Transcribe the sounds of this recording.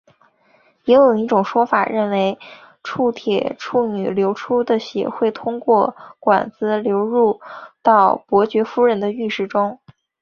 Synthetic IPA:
jɛ˧˥jo˨˩i˥˩ʈ͡ʂʊ˨˩ŋʂwɔ˥fa̰˨˩ɻə˥˩nwe˧˥ɪ | ʈ͡ʂʰu˥˩t̪ʰjɛ̰˨˩ʈ͡ʂʰu˥˩ny̰˨˩ljo˧˥ʊʈ͡ʂʰu˥d̪ə˨ɕjɛ̰˧˥xwe˥˩ɪt̪ʰʊ˥ŋkwɔ˥˩kwa̰˨˩nt͡sɹ̩˧˥ljo˧˥ʊɻu˥˧t̪ɑ˥˩ʊpwɔ˧˥t͡ɕɥɛ˧˥fu˥ɻə˧˥nd̪ə˧y˥˧ʂɻ̩˥˩ʈ͡ʂʊ˥ŋ

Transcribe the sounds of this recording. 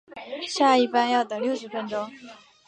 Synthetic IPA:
ɕja˥˧i˥˩pa˥njɑ˥˩ʊt̪ɤ˩ljo˥˩ʊʂɻ̩˧˥fə˧˥nʈ͡ʂʊ˥ŋ

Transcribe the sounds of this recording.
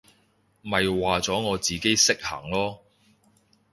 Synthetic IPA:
mɐ˨jwaː˨t͡sɔː˨˥ŋɔː˨˧t͡siː˨ke˥jsɪ˥k̚hɐ̰˨˩ŋlɔː˥

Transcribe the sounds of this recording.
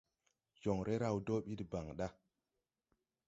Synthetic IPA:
jo˨ŋɾʔe˦ɾa˨wdo˦ɓi˦dba˨ŋɗa˦

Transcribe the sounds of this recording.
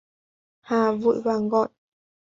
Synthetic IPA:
haː˨˩vṵ˧˨jvaː˨˩ŋɣɔ̰˧˨j

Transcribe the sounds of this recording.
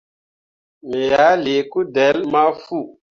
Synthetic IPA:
mi˨ja˨˦le˨ku˦dɛ˨˦lma˦fu˦˨

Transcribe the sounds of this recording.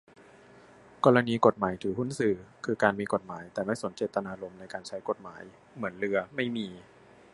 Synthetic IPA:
kɔː˧ɾa˧niː˧ko˨˩t̪̚maː˩˦jt̪ʰɯː˩˦ɦu˥˩nsɯː˨˩kʰɯː˧kaː˧nmiː˧ko˨˩t̪̚maː˩˦jt̪ɛː˨˩ma˥˩jso˩˦nt͡ɕeː˨˩t̪ːa˧naː˧lo˧mna˧jkaː˧nt͡ɕʰa˦˥jko˨˩t̪̚ma̰ː˩˦j | mɯ˩˦ənɾɯ˧ɐma˥˩jmiː˧

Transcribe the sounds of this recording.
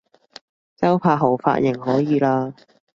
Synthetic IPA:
t͡sɐ˥wpʰaː˧ɦo˨˩wfa̰ː˧t̚jɪ˨˩ŋɦɔː˨˥jiː˨laː˧

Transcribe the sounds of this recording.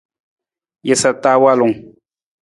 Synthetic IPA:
jɛ˨sa˨ta˦wa˦lʊ˨ŋ

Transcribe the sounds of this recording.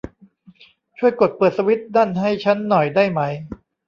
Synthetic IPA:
t͡ɕʰu˥˩əjku˨˩ət̪̚pɤː˨˩t̪̚sa˧wi˦˥t̪̚daː˥˩nɦa˥˩jt͡ɕʰa˦˥nːɔ˨˩jdaː˥˩jma˦˥j

